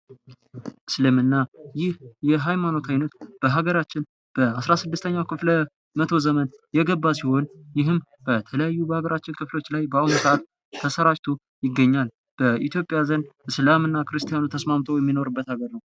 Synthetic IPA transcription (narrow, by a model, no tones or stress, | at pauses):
ʔɨslɨmɨnːajɪhjɛɦajmano̞t̪ʰajnət̪b̥əɦaɡəɾat͡ʃːɪn | b̥əasɾasɨd̪ːɨst̪ʰəɲːawkʰɨflə | mət̪ʰo̞zəmənjɛɡəbːasiho̞njɪɦɨm | b̥ət̪ʰələjajːubəhaɡəɾat͡ʃːɪnkʰɨflo̞t͡ʃːlajbəawnsəat̪ | t̪ʰːəsəɾat͡ʃt̪ʰu | jɪɡːəɲːal | b̥əʔit̪ʰjo̞pʼːjazənʔɨslamɨnːakɨɾɨst̪ʰijanut̪ʰəsmamt̪ʰəwjɛmːino̞ɾɨbːət̪haɡəɾnəw